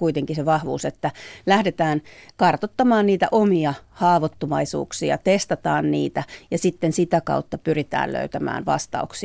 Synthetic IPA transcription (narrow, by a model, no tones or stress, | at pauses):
kuit̪eŋkiseʋɑhʋuːset̪ːælæhdet̪æːnkɑrt̪ot̪ːɑmɑːnniːt̪æ̰ʔomiɑhɑːʋot̪ːomɑisṵːksiɑ̰t̪est̪ɑt̪ɑːnniːt̪æjɑsit̪ːensit̪ækɑ̰ut̪ːɑpyrit̪æ̰ːllø̰yt̪æmæ̰ːnʋɑ̰st̪ɑ̰uksi